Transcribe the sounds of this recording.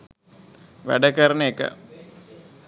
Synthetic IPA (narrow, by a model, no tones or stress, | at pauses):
ʋæ̰ɖəkəɾənəekə̰